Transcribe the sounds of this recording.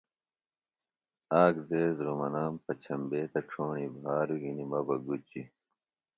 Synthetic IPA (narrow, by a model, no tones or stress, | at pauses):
aːkd̪eːzɾomɐnaːmpɐt͡ɕʰɐmbeːt̪ɐʈ͡ʂʰoːɳibʱaːɾuɡinimɐbɐɡut͡ɕi